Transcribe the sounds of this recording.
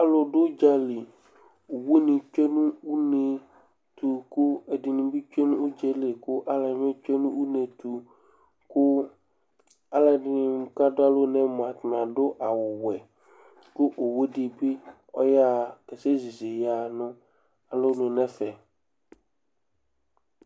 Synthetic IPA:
a˦lo˨ɖʊ˦d͡ʒa˨li˨ | u˨we˦nɪ̃˨t͡ʃe˦nũ˦u˦ne˨ | t̪u˨kʊ˦e˨dɪ˨nĩ˨bi˦t͡ʃe˦nũ˦u˦d͡ʒe˦le˨kʊ˦ʔa˦la˨˦mɛ̃˦t͡ʃe˦nũ˦u˦nẽ˨t̪u˨ | kʊ˦ | a˦la˨dɪ˨nɪ̃˨m̩˦ka˦dʊ˦a˦lo˦nɛ̃˦mʊ˨a˨t̪n˨ã˨dʊ˦ʔa˨wʊ˨wɛ˨ | kʊ˦ʔo˨we˦di˨bɪ˦ | ɔ̰˦ja˦kɛ˨se˦zi˨ze˨ja˨nʊ̃˦ | a˨lo˦nʊ̃˨nɛ̃˦fɛ˨

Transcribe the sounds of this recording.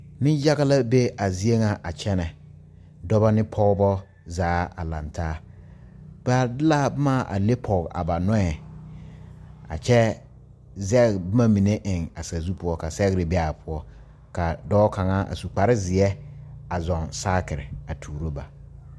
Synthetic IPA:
nɪ˦ja˦ɣa˦la˦be˦a˨zi˦e˦ŋa˨ʔa˨t͡ʃɛ˦nɛ˨ | dɔ˦ba˦nɪ˦pʰɔ˦bɔ˦ | zaː˨˦a̰˨la˨ntʰaː˦ | b̥a˦dɪ˦la˦bɪ˦ma˦˨ʔa̰˨le˦pʰɔ˨ɣa̰˨ba˨nɔ˦ɛ˨ | a̰˨t͡ʃɛ˦ | zɛ˦ɣbɪ˦ma˦mi˨ne˦ʔɪ˨ŋa˨sa˨zu˦pʊ˦ɔ˦ka˨sɛ˦ɣɾɪ˨bɛ˦a˨pʰʊ˦ɔ˦ | ka˨dɔː˦ka˨ŋa˦ʔa̰˨su˨k͡pa˨ɾɪ˦zɪ˨ɛ˦a˨zɔ˨nsaː˦kɪ˨ɾɪ̰˨a˨tʰuː˨ɾo˦ba˨

